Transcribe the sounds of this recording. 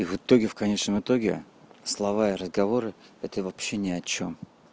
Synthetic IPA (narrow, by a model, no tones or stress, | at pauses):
ivɨt̪o̞ɡʲɪfkɐnʲet͡ɕnəmɨt̪o̞ɡʲɪ̰ | slˠɐvaɪɾəzɡɐvo̞ɾɨɛt̪əvɐpɕːenʲɪɐt͡ɕom